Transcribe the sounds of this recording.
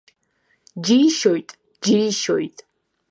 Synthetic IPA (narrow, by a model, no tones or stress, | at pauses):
d͡ʒiʃojtʼ | d͡ʒiɾiʃojtʼ